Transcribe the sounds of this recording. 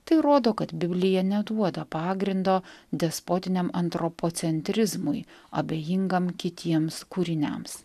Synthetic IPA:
t̪ɐɪɾoːd̪oːkɐt̪bʲɪbʲlʲɪjɛnʲɛd̪uɔd̪ɐpɑːɡɾʲɪnd̪oːd̪ʲɛspoːt̪ʲɪnʲɛmɐnt̪ɾɔpoːt̪sʲɛnʲt̪ʲɾʲɪzmʊɪɐ̰bʲeːjɪŋɡɐmkʲɪt̪ʲiɛmskuːɾʲɪnʲɛ̰ms

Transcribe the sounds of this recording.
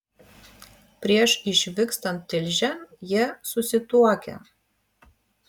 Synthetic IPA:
pʲɾʲiɛʃɪʃʲʋʲɪkst̪ɐnt̪ʲːɪlʲʒʲɛjiɛsʊsʲɪt̪uɔkʲɛ̰

